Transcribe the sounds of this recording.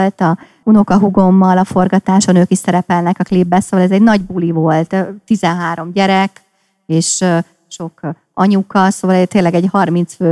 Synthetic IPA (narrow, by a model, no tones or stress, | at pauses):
lt̪ɒ | uno̞kɒɦuɡo̞mːɒlɒfo̞rɡɒt̪aːʃɒnøːkiʃsɛɾɛpɛlnɛkɒklibːɛsoːʋɒlɛzɛɟnɒɟbulivo̞lt̪t̪ːizɛnɦaːɾo̞mɟɛɾɛk | eːʃ | ʃo̞k | ɒɲukɒsoːvɒlt̪eːlːɛɡɛɟhɒrmint̪sføː